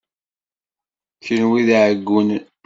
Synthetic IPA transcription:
çənwiðʕəɡːun

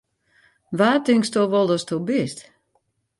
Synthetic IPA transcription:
ʋaːtɪŋstoʋɔlˠdɔstʰobɪst

